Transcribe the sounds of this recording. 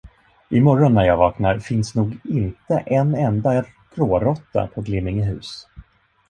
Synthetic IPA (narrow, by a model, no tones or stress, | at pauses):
ʔɪmɔɾɔnːæjɑːvɑːknaɾfɪnsnuːɡɪnt̪əʔɛnɛnd̪a | ɡ̥ɾoːɾɔt̪ːa̰pʰɔɡlɪmːɪŋɪɦʉ̟ːs